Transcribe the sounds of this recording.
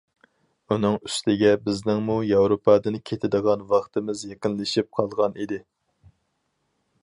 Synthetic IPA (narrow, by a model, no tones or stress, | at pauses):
unɨŋyst̪ʰɪɡʲɛbɪznɪŋmujɑwɾopʰɑːd̪ɨnkʲʰet̪ʰɪd̪ɨʁɑnwɑχt̪ʰɨmɪzjeqɪnlɪʃip̚qʰɑlˠʁɑnʔid̪ɪ